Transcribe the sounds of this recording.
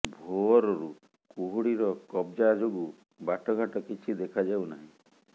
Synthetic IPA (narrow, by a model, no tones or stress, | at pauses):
bʱoɔɾɔɾu | kuɦuɽiɾɔkɔbd͡ʒad͡ʒoɡu | baʈɔɡʱaʈɔkit͡ʃʰid̪ekʰad͡ʒawnaɦĩ